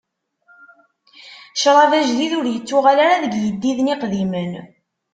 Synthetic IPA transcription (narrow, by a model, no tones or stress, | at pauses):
ʃɾˤɑvæʒðiðʊɾjət͡sːʊʁalaɾaðəɡjəd̪ːiðniqðimən